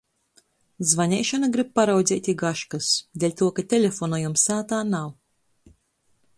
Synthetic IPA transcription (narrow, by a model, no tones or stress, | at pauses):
zvanʲɛjʃanaɡɾip̚paɾawd̪zʲɛːt̪ʲiɡaʃkɐsd̪ʲelʲt̪uɔkat̪ʲelʲefɔnɔjumsaːt̪aːnaw